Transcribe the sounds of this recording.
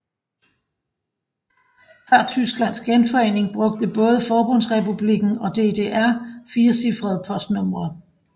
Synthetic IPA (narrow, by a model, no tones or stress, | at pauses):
fɑt͡sʰysɡ̥læn̰sɡ̥enfɒ̽e̝ne̝ŋb̥ʁɔ̽ɡ̥̚d̥əb̥ɔ̽ːð̞ˠəfɒːb̥ɔ̽n̰sʁɛpʰub̥liɡ̥n̩ɒ̽d̥e̝d̥e̝ːʔæɐ̰fiːɐsifʁɐð̞ˠpʰɒ̽sd̥nɔ̽m̰ʁɐ